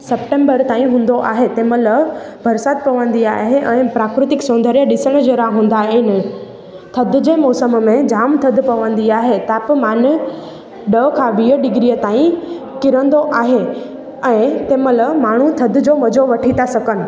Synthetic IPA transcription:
sɐpʈẽːmbəɾt̪aːĩɦũːn̆d̪oʔaːɦet̪eːmələbʱɐɾsaːt̪̚pɐʋə̃nd̪iaːɦeʔɛ̃ːpɾaːkɾɪt̪ɪksõːnd̪ʱəɾijəɗɪsəɽ̃d͡ʑeːɾaɦũːn̆d̪aːɦenɪ | t̪ʰɐd̪ʱʊ̆d͡ʑeːmɔːsəmmẽd͡ʑaːmt̪ʰɐd̪ʱpɐʋə̃n̆d̪iaːɦet̪aːpmaːn | ɗəkʰãʋiːəɖɪɡɾiət̪aːĩ | kɪɾə̃nd̪oʔaːɦe | ɛ̃ːt̪eːmələmaːɳ̤ut̪ʰɐd̪ʱʊ̆d͡ʑoʋɐd͡ʑoʋɐʈʰit̪ʰasɐkənɪ̆

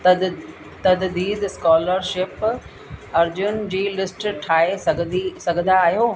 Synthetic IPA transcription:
t̪ɐd̪d̪iːd̪skɔːləɾʃɪp | ɐɾd͡ʑʊnd͡ʑiːlɪsʈʈʰaːesɐɡ̪isɐɡʱə̃nd̪aːɦijoː

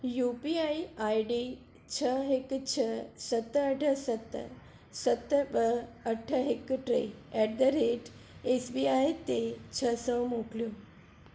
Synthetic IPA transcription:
jupiajajɖi | t͡ɕʰəɦekt͡ɕʰəsət̪ːəəʈʰəsət̪ː | sət̪ːbəːʈʰːəɦekːʈɾḛɛʈ̚d̪əɾeʈ | esbiajt̪et͡ɕʰəsəwmokljo

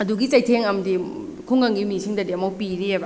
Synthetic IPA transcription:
ɐduɡit͡ʃɐjtʰeŋɐmdi | kʰuŋɡɐŋɡimisiŋdɐdeɐmowpiɾiebɐ

